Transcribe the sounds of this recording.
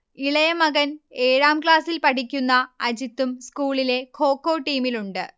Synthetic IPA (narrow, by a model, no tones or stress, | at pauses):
iɭɐjɐmɐɣɐne̞ːɻaːmkɭaːsilpɐʈʰikʲːunːɐɐd͡ʑit̪ːumskuːɭile̞kʰo̞ːkːo̞ːʈːiːmiluɳɖɨ